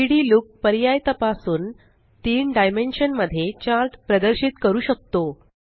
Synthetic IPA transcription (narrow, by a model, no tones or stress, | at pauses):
iɽiːluːk̚pəɾjajt̪əpasuːn | t̪iːɳɖajmenɕənməd̪ʱːjet͡ɕaɾʈpɾəd̪əɾɕiːt̪kəɾuːɕək̚t̪o